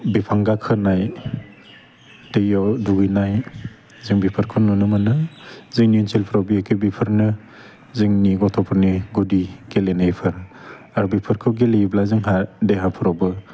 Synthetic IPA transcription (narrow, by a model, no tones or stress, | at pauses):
bipʰaŋɡakʰɯnaj | d̥ejɔduɡijnaj | ziŋbipʰɯɾkʰɯnunɯmanɯziŋniunsʰelpʰɾawbiekʰɯbipʰɯɾnɯ | ziŋniɡɔtʰɔpʰɯɾniɡudiɡelenajpʰɯɾ | aɾubipʰɯɾkʰɯɡeleblaziŋɦadeɦapʰɯɾɔwbɯ